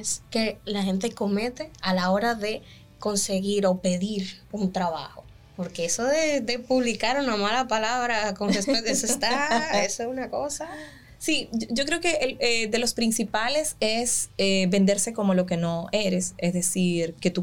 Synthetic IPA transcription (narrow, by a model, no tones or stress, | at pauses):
ske̞laxe̞nt̪̬e̞ko̞me̞t̪e̞alao̞ɾaðe̞ | ko̞nse̞ɣiɾo̞pe̞ðiɾunt̪ɾaβa̰xo | po̞ɾke̞esoðed̪e̞puβlikaɾunamalapalaβɾakomd̪espwezðesest̪aesoesunako̞sa | sioʝo̞kɾe̞oke̞ʔeled̪e̞lo̞spɾinsipale̞se̞sebe̞nd̪e̞ɾse̞ko̞mo̞lo̞ke̞no̞e̞ɾe̞sesðe̞siɾke̞t̪u